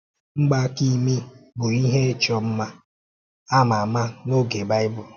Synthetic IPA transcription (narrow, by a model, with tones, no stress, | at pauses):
ŋ͡m̩˦ɡ͡ba˦ki˦mi˦bʊ˨i˦ɦe˦e˦t͡ʃɔ˨m̩˦ma˦ | a˦ma˨ma˦no˦ɡe˨ba˦ɪ˦bʊ˦˨